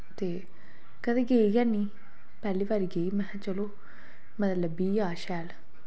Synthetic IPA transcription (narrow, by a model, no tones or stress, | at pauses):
t̪eː | kəd̪eːɡeːiɡɛnːiː | pɛːliːʋaːɾɡeːimɛ̃ | t͡ʃəloː | mət̪ət̪ləbbiːjaːʃɛːl